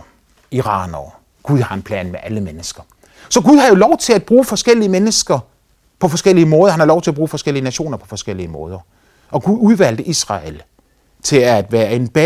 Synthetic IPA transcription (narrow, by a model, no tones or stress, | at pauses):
iʁɑ̰̈ːnɒ | ɡ̥uð̞ˠhɑ̈enpʰlɛ̰ːnmeʔæləmenəsɡ̥ɐ | sɒ̽ɡ̥uð̞ˠhɑ̈jo̝lɒʊt͡sʰe̝læd̚b̥ʁuːfɒ̽sɡ̥el̰iəmenəsɡ̥ɐ | pʰɒ̽fɒ̽sɡ̥el̰iəmɔ̽ːð̞ˠɐhænhɑlɒʊt͡sʰe̝æb̥ʁuːfɒ̽sɡ̥el̰iənæɕo̝̰ːnɐpʰɒ̽fɒ̽sɡ̥el̰iəmɔ̽ːð̞ˠɐ | ʔɒ̽ɡ̥uðˠuð̞ˠʋæl̰d̥əʔisʁɑ̰̈el | t͡sʰe̝æd̥ʋæːɐe̝nb̥ɛ